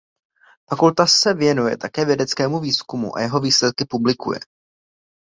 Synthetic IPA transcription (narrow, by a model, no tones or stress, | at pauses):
fakult̪asɛvjɛnujɛ̰t̪akɛːvjɛdɛt͡skɛːmuviːskumṵʔa̰jɛɦo̞viːslɛt̪̚kɪpublɪkṵjɛ̰